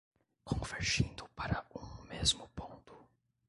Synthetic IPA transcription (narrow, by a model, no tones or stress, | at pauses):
kʰõveɾʒĩnd̪ʊpaɾɐũmezmʊpõnt̪ʊ̥